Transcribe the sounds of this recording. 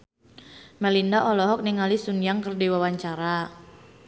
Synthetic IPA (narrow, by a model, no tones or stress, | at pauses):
malindaʔɔlɔɦɔk̚niŋalisunjaŋkərdiwawaɲt͡ʃaɾa